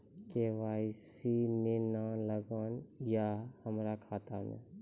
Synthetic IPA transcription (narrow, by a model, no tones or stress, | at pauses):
keʋaːɪs | inenaləɡənjahəmɾakʰaːt̪amḛ̃